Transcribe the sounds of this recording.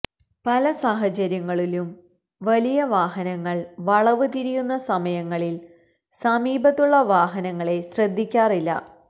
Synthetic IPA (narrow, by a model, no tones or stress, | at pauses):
pɐlɐsaːɦɐt͡ɕɐɾjɐŋːɐɭilum | ʋɐlijɐʋaːɦɐnɐŋːɐɭʋɐɭɐʋɨt̪iɾijunːɐsɐmɐjɐŋːɐɭil | sɐmiːbɐt̪ːuɭːɐʋaːɦɐnɐŋːɐɭe̞ɕrɐd̪ːikʲːaːrilːɐ̰